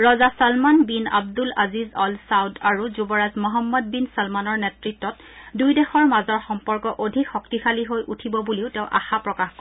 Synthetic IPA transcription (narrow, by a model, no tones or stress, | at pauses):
ɹɔzasalmanbina̰b̚dula̰zizɔlsawdaɹuzubɔɹazmɔɦɔmːɔd̚binsɔlmanɔɹnɛtɹitːɔt | dujdɛxɔɹmazɔɹxɔmpɔɹkɔʔodʱikxɔktikʰaliɦojʔutʰibɔbuliʊtɛʊ̃ʔa̰xapɹɔkaxk